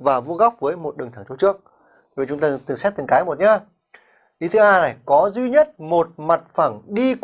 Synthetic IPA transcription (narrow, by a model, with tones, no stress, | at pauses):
vaː˨˩vu˧˥əɣa˦˥wp̚vəː˨˦jmo˨˩t̚ɗɨ˨˩t̪ʰa˧˩t̪ʰt͡ɕɨ˦˥ək̚ | vi˨˩t͡ɕʊ˨˦ŋ͡mt̪aː˧t̪ɨ˨˩sɛ˦˥t̚t̪ɨ˨˩ŋkaː˨˦jmo˨˩t̚ɲaː˧ | ʔi˨˦t̪ʰɨ˨˦ʔaː˧jna˨˩jkɔ˨˦zwi˧ɲə˦˥t̚mo˨˩t̚ma˨˩t̚fa˧˩mɗi˧k